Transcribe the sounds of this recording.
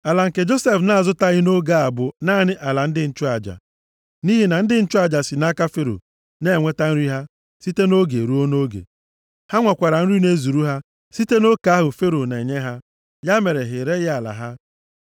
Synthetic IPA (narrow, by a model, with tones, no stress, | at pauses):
a˨la˨ŋ̩˨ke˨d͡ʒo˦se˨fna˨zʊ˦ta˦ɣɪ˦no˦ɡa˦a˨bʊ˨na˦˨nɪ˦ʔa˨la˨n̩˦dɪ˦n̩˦t͡ʃʊ˦a˨d͡ʒa̰˨ | ni˦ɦi˨na˨n̩˦dɪ˦n̩˦t͡ʃʊ˦a˦˨d͡ʒa˨si˨na˦ka˦fe˦ɾo̰˨ | ne˦˨ŋʷe˦ta˦n̩˦ɾi˦ɦa˦ | si˦te˦no˦ɡe˨ɾu˦o˦no˦ɡḛ˨ | ha˦ŋʷa˨kʷa˨ɾa˨n̩˦ɾi˦ne˦zu˨ɾu˦ɦa˦ | si˦te˦no˦ka˨˦a˦ɦʊ˨fe˦ɾo˨ne˨e˨ɲe˦ɦa˦ | ja˦me˨ɾe˨ɦɪ˨ɾe˦ɣa˨la̰˨ɦa˦